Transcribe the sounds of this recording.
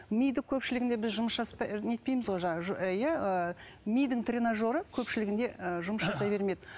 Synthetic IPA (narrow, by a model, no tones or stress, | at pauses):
mijd̪ɪkʲʰɵpʃɪlɪɡʲɪnd̪ebɪzʒʊməsʒɑspɑnʲe̞t̪̚pe̞jmɪzʁo̞jʒɑʒjæə | mʲijd̪ɪŋt̪rʲenaʒo̞ɾəkʲʰɵpʃɪlɪɡʲɪnd̪e̞əʒʊməsʒɑsɑjbe̞ɾme̞d̪ɪ